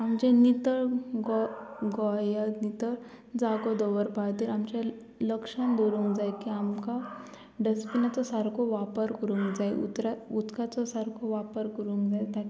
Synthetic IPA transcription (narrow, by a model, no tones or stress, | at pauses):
amd͡ʑenit̪əɭɡɔɡɔjanit̪əɭ | d͡zaɡɔd̪ɔʋəɾpaɽt̪iɾamt͡ɕja | ləkʂãnd̪oɾuŋkd͡zajkiamka | ɖəspinat͡sɔsaɾkʰoʋapəɾkəɾũːŋkd͡zajṵt̪ɾaut̪kat͡sɔsaɾkʰoʋapəɾkəɾũŋkd͡zajt̪a